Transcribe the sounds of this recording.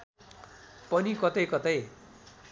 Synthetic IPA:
pʌnikʌt̪ʌjkʌt̪ʌj

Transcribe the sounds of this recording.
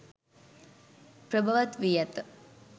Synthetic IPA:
pɾəbʱaʋat̪ʋijat̪

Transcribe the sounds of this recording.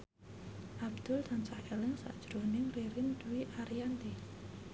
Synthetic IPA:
ʔabd̪̥ʊlt̪ant͡ʃahelɪŋsa̰ʔd̥ʒ̥ɾonɪŋriɾɪnd̪̥uwiʔaɾiant̪i

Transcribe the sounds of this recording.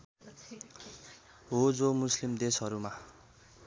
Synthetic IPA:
ɦod͡zomuslimd̪esɦʌɾuma

